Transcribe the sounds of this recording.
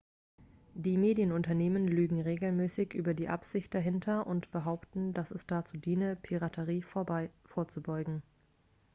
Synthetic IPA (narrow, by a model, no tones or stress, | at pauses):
d̥iːmeːdjənʊntɐneːmənlyːɡŋ̩ʁeːɡl̩mɛːsɪçʔy̰ːbɐdiːʔa̰pz̥ɪçt̚d̥aɦɪntʰɐʔʊntb̥əɦaʊptn̩dasɛsd̥at͡suːdiːnəpʰiʁatʰəʁiːfoːɐt͡subɔʏɡŋ̩